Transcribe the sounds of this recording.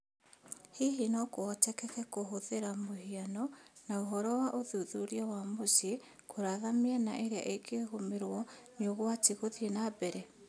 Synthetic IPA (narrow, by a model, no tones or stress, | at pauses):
hiɦinɔkoɔtɛkɛkɛkoɦoðeɾamohianɔnaoɦɔɾɔwaʔoðuðuɾiɔwamosi | kʰoɾaðameana̰ʔeɾea̰ʔekʰeɣomeɾwɔneoɣoatiɣoðienabɛɾɛ